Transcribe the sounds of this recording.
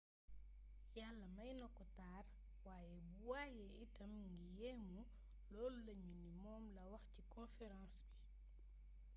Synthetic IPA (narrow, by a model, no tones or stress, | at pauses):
jalːɐmɐjnɔkːɔtaːr | waːjɛbuwaːjɛitɐmŋɡijɛːmu | lɔːlulɐɲindimɔːmlɐwɐxcikɔ̃nfɛɾãːnsbi